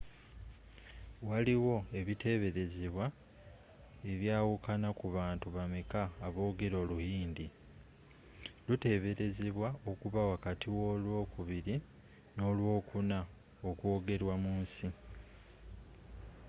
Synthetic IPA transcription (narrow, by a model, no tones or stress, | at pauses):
waliwo̞e̞βite̞βe̞ɾe̞zeβwa | e̞βjaːwukʰanakuβaːntuβamekaːβo̞ːɡe̞ɾo̞ːluhiːndi | lute̞ːβe̞ɾe̞zeβwao̞kuβawakatiwo̞lwo̞ːkuβiɾi | no̞ːlwo̞ːkuna | okwo̞ːɡe̞ɾwamuːnsi